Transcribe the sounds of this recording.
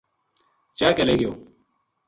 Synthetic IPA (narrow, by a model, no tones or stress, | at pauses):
t͡ʃaːkəleːɡɪjo̰ː